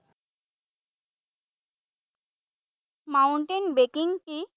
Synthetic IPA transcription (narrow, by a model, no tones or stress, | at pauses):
mawɳʈenbekiŋʈi